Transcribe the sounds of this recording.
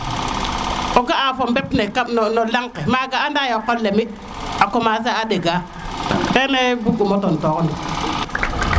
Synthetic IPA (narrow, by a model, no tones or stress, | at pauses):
oɡaʔafombepnekanolaŋkemaɡaandajokːolːemi | akomaz̬aaɗeɡa | keːnebuɡumotontokoni